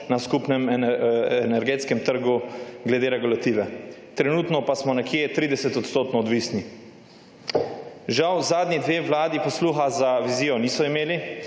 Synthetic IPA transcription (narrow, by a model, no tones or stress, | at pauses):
naskupnɛm | ɛnɛɾɡeːt̪skɛmt̪əɾɡuɡlɛd̪eːɾɛɡulat̪iːʋɛt̪ɾɛnuːt̪nɔpasmɔnɛkjet̪ɾiːd̪ɛsɛt̪ɔt̪st̪oːt̪nɔːd̪ʋiːsni | ʒawzaːd̪nʲid̪ʋeːʋlaːd̪ipɔsluːxazaʋiziːjɔniːsɔimeːli